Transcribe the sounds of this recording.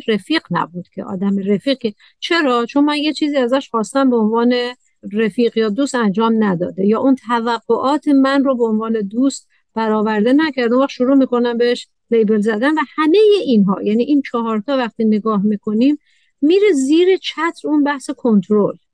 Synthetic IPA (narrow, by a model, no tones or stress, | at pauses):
ɾefiːqnæ̰buːd̪̥cʰḛʔɒ̰ːd̪æmeɾefiːq̚ce | t͡ʃʰe̞ɾɒːt͡ʃʰonmænjet͡ʃʰiːziːæzæʃχɒːst̪æmbeonvɒːne̞ | refiːɣjɒːd̪uːst̪ænd͡ʒɒːmnæd̪ɒ̰ːd̪ejɒːʔunt̪ʰævæɡːoʔɒːt̪ʰe̞mænrobeonvɒːne̞d̪uːst̪̚ | b̥æɾɒːvæɾd̪e̞næcʰæɾd̪eũvæχʃoɾuːmiːko̞næmbeheʃ | lejbelzæd̪ænvæhæme̞je̞ʔinɦɒ̰ːjæniːʔint͡ʃʰɒhɒːɾt̪ʰɒːvæxt̪iːne̞ɡɒːɦmiːkʰo̞nimː | iːɾe̞ziːɾe̞t͡ʃʰæt̪ʰɾunbæhse̞kʰo̞nt̪ʰɾol